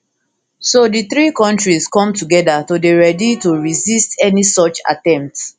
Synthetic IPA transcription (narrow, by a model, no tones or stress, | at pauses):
sodiθɹikɔ̃ntɹiskɔ̃mtuɡɛdatodeɹɛdituɹizistɛnisɔt͡ʃa̰tɛ̃mp̚t